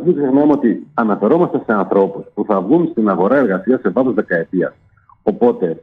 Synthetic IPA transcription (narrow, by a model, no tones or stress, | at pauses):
ɐiksixnɐmo̞t̪iɐnɐfe̞ɾo̞mɐst̪ɐse̞ɐnθɾo̞puspuθɐvɣunst̪inɐɣo̞ɾɐe̞ɾɣɐsiɐse̞vɐθozðe̞kɐe̞t̪iɐ̰s | o̞po̞t̪e̞